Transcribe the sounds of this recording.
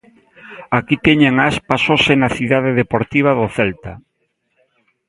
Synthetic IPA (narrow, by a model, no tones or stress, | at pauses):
akit̪ɛɲeŋaspasosenaθiðað̞eðepoɾt̪iβ̞aðoθɛlt̪a